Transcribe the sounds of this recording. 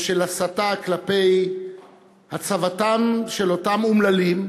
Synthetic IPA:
ʃelasataklape̞j | hat͡savatamʃelo̞tamumlalim

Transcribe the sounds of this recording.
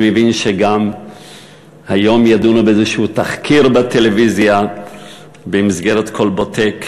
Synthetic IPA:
mevinʃeɡam | hajo̞mjadunobeezeʃut̪aχkʰiʁbatelevizja | bemizɡeʁet̪kʰo̞lbot̪ek

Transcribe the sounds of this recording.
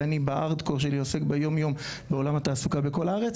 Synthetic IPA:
anibaʔaʁd̪koʁʃ̬eliosekbejo̞mjo̞m | beo̞lamhat̪aːsukabe̞ko̞laaʁet͡s

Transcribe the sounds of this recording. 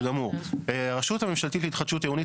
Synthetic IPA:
ɡamuʁeaʁaʃut̪hamemʃalt̪itleit̪χad̪ʃut̪jeuni

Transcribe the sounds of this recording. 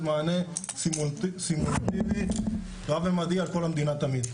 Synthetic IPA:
maːne | simult̪simult̪ib̪ʱi | t̪oabẽmɐd̪iɐɾkʰoːlɐmd̪inat̪ɐmiːd̪

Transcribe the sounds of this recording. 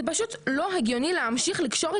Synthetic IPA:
paʃutlo̞ɦeɡjo̞nileamʃiχlikʃo̞ʁe

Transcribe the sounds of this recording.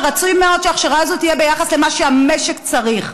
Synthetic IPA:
ʁat͡sujmeo̞d̪ʃeaχʃaʁaazot̪ije̞be̞jaχasle̞maʃeame̞ʃekt͡saʁiχ

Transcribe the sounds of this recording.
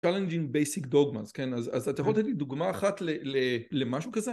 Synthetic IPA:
t͡ʃalend͡ʒiŋɡbejsikd̪o̞ɡmaz̥kenazazat̪ajaχolat̪etlid̪uɡmaːχatlelelemaʃukaze

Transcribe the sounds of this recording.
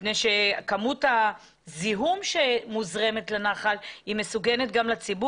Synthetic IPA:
nejʃe̞kamuta | ziɦumʃemuzʁe̞me̞tlanaχalimesuɡenet̚ɡamlat͡sibu

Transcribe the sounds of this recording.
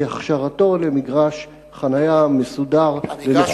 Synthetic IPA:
aχʃaʁato̞lemiɡʁaʃ | χanajamesudaʁleiχ

